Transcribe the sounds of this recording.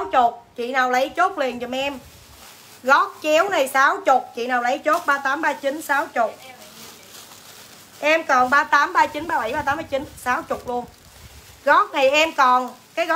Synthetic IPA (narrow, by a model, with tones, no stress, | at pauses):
wt͡ɕʊ˨˩k͡p̚t͡ɕḭ˧˨naː˨˩wlə˨˦jt͡ɕo˦˥t̚li˨˩ənt͡ɕɔ˧˩mʔɛ˧m | ɣɔ˦˥k̚t͡ɕɛ˨˦əwna˨˩jsaː˨˦wt͡ɕʊ˨˩k͡p̚t͡ɕḭ˧˨naː˨˩wlə˨˦jt͡ɕo˦˥t̚ɓaː˧t̪aː˨˦mɓaː˧t͡ɕi˨˦nsaː˨˦wt͡ɕʊ˨˩k͡p̚ | ʔɛ˧mkɔ˨˩nɓaː˧t̪aː˨˦mɓaː˧t͡ɕi˨˦nɓaː˧ɓə˧˩jɓaː˧t̪aː˨˦ma˨˧˦jt͡ɕi˨˦nsaː˨˦wt͡ɕʊ˨˩k͡p̚lu˧ən | ɣɔ˦˥k̚na˨˩jʔɛ˧mkɔ˨˩nkaː˨˦jɣɔ˦